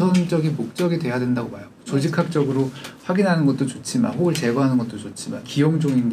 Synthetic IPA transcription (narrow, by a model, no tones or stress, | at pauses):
ʌnd͡ʑʌɡinmok̚t͡ɕ͈ʌɡidwe̞jadwendaɡomajaɡot͡ɕod͡ʑikʰak̚t͡ɕ͈ʌɡɯɾoɸwaɡinɦanɯnɡʌt̚t͈ot͡ɕot͡ɕʰima̰nɦoɡɯɭt͡ɕe̞ɡwaɦanɯnɡʌt͈̚ot͡ɕot͡ɕʰima̰nkiʌmd͡ʑoŋind